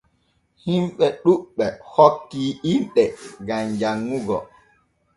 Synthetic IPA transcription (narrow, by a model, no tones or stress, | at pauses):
himɓɛɗuɓːɛhokːiːʔimɗɛɡamd͡ʒaŋːuɡɔ̰